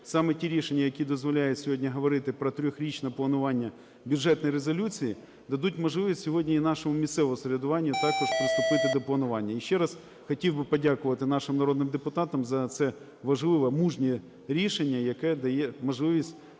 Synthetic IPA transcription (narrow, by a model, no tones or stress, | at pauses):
sɑmɛtʲiɾʲiʃenʲːɐjɐkʲid̪ɔzʋɔlʲajʊsʲʊɦodʲnʲɐɦɐʋɐɾɪt̪ɪpɾɔt̪ɾʲɔxɾʲit͡ʃnɐplˠɐnʊʋɑnʲːɐ | bʲjʊʐɛt̪nɔjɾezɔlʲut͡sʲiji | d̪ɐd̪utʲmɐʒlˠɪʋʲisʲtʲsʲʊɦodʲnʲɐinɑʃɔmʊmʲist̪sɛʋɔʊsɐɾʲɪd̪ʊʋɑnʲːijʊt̪ɑkɔʂpɾɪst̪ʊpɪt̪ɪd̪ɐplˠɐnʊʋɑnʲːɐiʃːɛɾɑs | xɐtʲiwbɨpɐdʲakʊʋɐt̪ɪnɑʃɪmnɐɾo̞d̪nɨɪmd̪epʊt̪ɑt̪ɐmzɐt̪sɛ | ʋɐʒlˠɪʋɐmuʒnʲi | ɾʲiʃenʲːɐjɐkɛd̪ɐjɛmɐʒlˠɪʋʲisʲtʲ